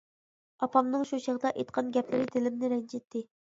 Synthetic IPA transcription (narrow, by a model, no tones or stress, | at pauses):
ɑpɑmnɨŋʃuʃəʁəd̪ɑʔejt̪̚qʰɑnɡʲɛplɪɾɪt̪ʰɪlɪmnɪɾɛnd͡ʒet̪ːɪ